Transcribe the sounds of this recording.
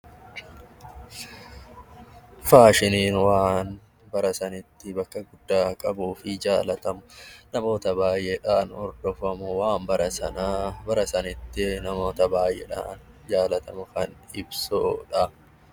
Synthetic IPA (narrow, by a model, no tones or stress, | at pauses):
faːʃɪniːnwaːn | bɐɾɐsɐnɪt̪ːɪbɐkːɐɡʊd̪ːaːkʼɐbuːfɪd͡ʒaːlɐt̪ɐmʊnɐmo̞ːt̪ɐbaːjʔeᶑaːnɔ̰ɾd̪̥ɔfɐmʊwaːmbɐɾɐsɐ̰naːbɐɾɐsɐnɪt̪ːɪnɐmo̞ːt̪ɐbaːjʔɛ̰ᶑa̰ːn | d͡ʒaːlɐt̪ɐmʊkɐn | ɪbsoːᶑɐ